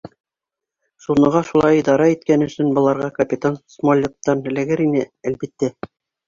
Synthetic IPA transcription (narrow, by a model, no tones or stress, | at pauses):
sunːɤ̆ʁɑʃulˠɑid̪ɑɾɑit̪̚kænɵ̆sɵnbɤ̆lˠɑɾʁɑkɐpʲit̪ansmolʲːet̪ːɑnɘ̆læ̆ɡɘɾinɘælbit̪ːæ